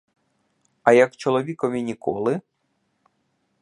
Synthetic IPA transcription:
ɐjɐkt͡ʃɔlˠɔʋʲikɔʋʲinʲikɔ̰lˠɪ

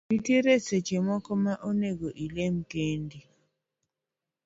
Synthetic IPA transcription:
mitiɾesɛt͡ʃɛmɔkɔmaʔoneɡɔʔilem̩kendi

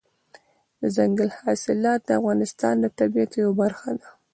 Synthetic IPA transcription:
d̪əzaŋɡalhɑsɪlɑt̪̚d̪əafɣɑnɪst̪ɑ̰nd̪ət̪abijat̪jawabaɾxad̪a

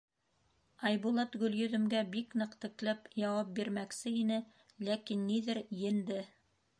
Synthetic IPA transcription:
ɑjβulˠɑt̪ɡɵ̆ljɵ̆ðɵ̆mɡæbiknɤ̆qt̪ɘ̆klæpjɑwɑp̚biɾmæksɘinɘ | lækinːiðɘɾjɘ̆nd̪ɘ

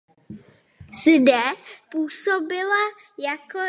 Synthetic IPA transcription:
sdɛpuːsobɪla | jako

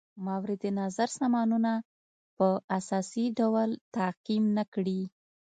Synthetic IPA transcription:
mawɾɪd̪enazaɾsɑmɑnuna | pəasɑsiɖawlt̪aqimnakɽi

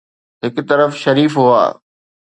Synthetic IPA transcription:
ɦɪkt̪ɐɾəfʃɐɾiːfɦua̰ː

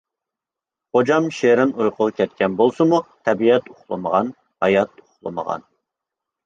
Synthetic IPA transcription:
χod͡ʒɑmʃeɾɪnujqʰʊʁkʲʰɛt̪̚kʲɛnbolˠsɨmut̪ʰɛbiɛt̪uχlˠɨ̰məʁɑn | hɑjɑt̪̚uχlˠə̰mə̰ʁɑ̰n

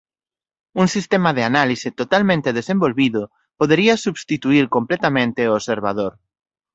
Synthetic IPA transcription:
uŋsist̪emaðeanalisɪt̪ot̪almẽnt̪eðesẽmbolβiðʊ | poðeɾiɐsuβst̪it̪uiɾkomplet̪amẽnt̪eoseɾβa̰ðoɾ

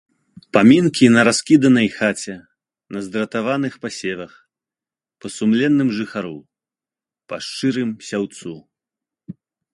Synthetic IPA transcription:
pamʲinkʲinɐɾaskʲid̪ɐnɐjxat͡sʲɛ | nɐzd̪ɾɐt̪avanɨxpasʲɛvɐx | pɐsumlʲɛnːɨmʐɨxaɾṵ | paʂt͡ʂɨɾɨmsʲawt̪su

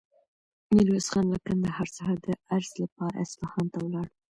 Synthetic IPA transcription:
nɪlwesχɑnlakand̪ahɑɾsahad̪əaɾzlapɑɾa̰ɪsfɑhɑnt̪awlɑɽ

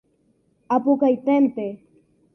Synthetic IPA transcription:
apʊkajt̪ent̪e

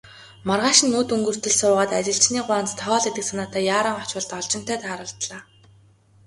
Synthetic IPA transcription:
mɔrʁaːʃɪ̆nːuːt̪uŋɡɵ̆r̥t̪ɵ̆ɮsʊːʁaːt̪at͡ɕɪ̆ɬt͡ɕniːɢʊaːnt͡st̪ʰɔɔːɮet̪ɘ̆ksʰanaːt̪aːjaːɾə̆ːŋɔt͡ɕʊ̆ɮt̪ɔɮt͡ɕɪ̆n̥t̪ʰœːt̪ʰaːɾə̆ɬt̪ɮaː

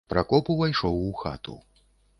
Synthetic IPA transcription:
pɾakɔpuvajʂɔwuxa̰t̪ṵ

